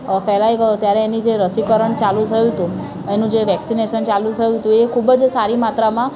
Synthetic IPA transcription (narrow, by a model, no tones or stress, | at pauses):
fɛlaiɡəjot̪jaɾeːnid͡ʒeɾəsikəɾəɳt͡ʃalũt̪ʰəjũt̪ũ | enũd͡ʒeʋɛksineʃənt͡ʃalũt̪ʰəjũt̪ũekʰubəd͡ʒsaɾimat̪ɾamã